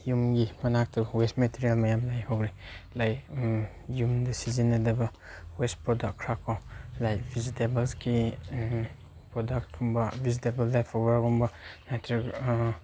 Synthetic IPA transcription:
jumɡimɐnak̚tɐbwestmetʰiɾijalmajamlajhowɾilajk | jumdɐsizinːadɐbɐ | wespɾɔdakkʰːɾakːawlajkbʰʱizitebelski | pɾɔdak̚tumbɐbʱizitebelːajpʰɔbaɾkumbɐnatʰɾik

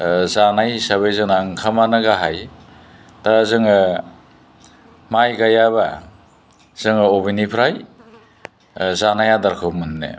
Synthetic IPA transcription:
zanajsaβajzɯŋnaŋkʰamanaɡaɦaj | tazɯŋa | majɡajaβa | z̥ɯŋaobinipʰɾaj | zanajadaɾkʰɯwmɯnnḛ

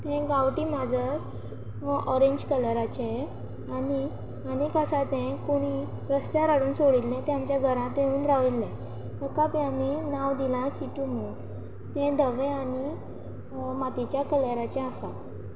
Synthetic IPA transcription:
t̪ɛ̃ɡaʋʈiːmad͡zʱə | ɔɾẽɲd͡ʑkələɾat͡ɕẽ | aɽi | anikəsat̪ɛ̃koɽ̃i | ɾəst̪jaɾaɽuːnsoɽilːɛ̃t̪ɛ̃amt͡ɕjaɡʱəɾãt̪ẽuːnɾaʋilːɛ̃ | məkːapĩaminaʋd̪ilãkʰiʈumu | t̪ɛ̃d̪əʋɛ̃aɽi | mat̪it͡ɕjakələɾat͡ɕɛ̃asa

